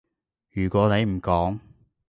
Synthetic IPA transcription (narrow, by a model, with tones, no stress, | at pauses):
jyː˨˩kʷɔː˨˧˥ne˨˧jm̩˨˩kɔː˨˥ŋ